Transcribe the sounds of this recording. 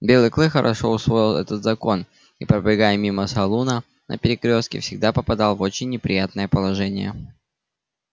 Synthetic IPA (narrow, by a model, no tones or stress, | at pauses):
bʲe̞lˠɨjklˠɨxəɾʔɐ̰ʂo̞ʊsvˠo̞jɪlˠɛ̰t̪ət̪zɐko̞n | ipɾəblʲɪɡajəmʲiməsɐlˠunə | nʔə̰pʲɪɾʲɪkɾʲo̞st̪kʲɪ̰fsʲɪɡ̚d̪apəpɐd̪ɑlˠvo̞t͡ɕɪnʲːɪpɾʲɪjat̪nəjəpəlˠɐʐɛnʲɪ̰jə̰